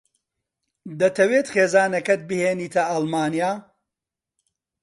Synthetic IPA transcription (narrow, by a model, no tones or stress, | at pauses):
d̪ɐt̪ʰɐweːt̪χeːzaːnɐkɐt̪̚bɨheːniːt̪ʰɐʔɐlmaːnijaː